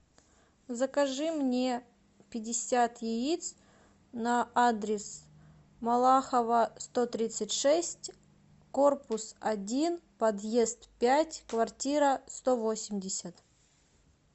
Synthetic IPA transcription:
zəkɐʐɨmnʲe | pʲɪdʲɪsʲat̪jɪit̪s | nɐad̪ɾʲɪs | mɐlˠaxəvəst̪o̞t̪ɾʲit̪sɨtʲʂɛsʲtʲ | ko̞rpʊsɐdʲinpɐd̪je̞st̪pʲætʲkvɐrtʲiɾəst̪o̞vo̞sʲɪmʲdʲɪsʲət̪

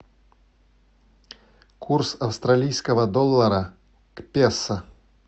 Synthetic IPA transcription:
kʰursɐwst̪ɾalʲijsʲkɐɣɐd̪ɔlˠːɐɾɐ | kpʲɛsːɐ

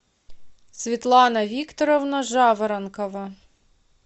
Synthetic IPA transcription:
sʲʋʲit̪lˠɑnɐʋʲikt̪ɔɾɔwnɐʒɑʋeɾɐnkɔʋɐ

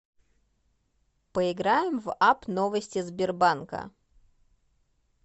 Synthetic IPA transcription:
pəɪɡɾajɪmvapnovəsʲtʲɪzbʲɪrbankə̰

